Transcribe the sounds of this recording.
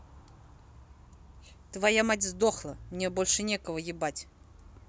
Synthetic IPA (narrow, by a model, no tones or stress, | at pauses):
t̪vajamatʲzd̪oxlˠəmnʲebo̞lʲʂɨnʲekəvəjɪbatʲ